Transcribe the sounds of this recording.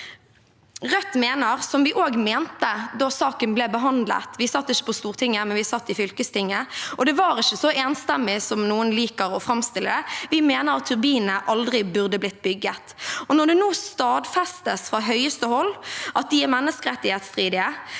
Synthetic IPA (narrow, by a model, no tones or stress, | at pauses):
ʁœt̪ːmeːnəʁsɔmʋɪʔoːɡmeːnt̪əd̪ɑsɑːkənblɛbəɦɑnd̪lə̰t̪ʋɪsɑt̪ːɪçːə̥pɔst̪uːʁt̪ʰɪŋːəmɛnʋɪsɑt̪ːɪfʏlkəst̪ɪŋːəʔɔd̪ɛʋɑːɾɪçːəsɔeːnst̪ɛmːɪsɔmnuːənliːkəʁɔfʁɑmst̪ɪlːəd̪ɛʋɪmeːnəʁɑt̪ʰːʉʁbiːnəʔɑld̪ʁɪbʉʁd̪əblɪt̪ːbʏɡːət̪ɔnɔʁd̪ʉnuːst̪ɑːd̪fɛst̪əsfʁɑɦœʏəst̪əhɔlːʔɑt̪̚d̪ɪɛmɛnːəskəʁɛt̪ːɪheːt̪st̪ʁiːd̪ɪə